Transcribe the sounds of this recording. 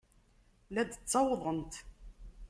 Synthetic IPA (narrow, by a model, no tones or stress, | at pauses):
læd̪t͡sːɑwðˤənt̪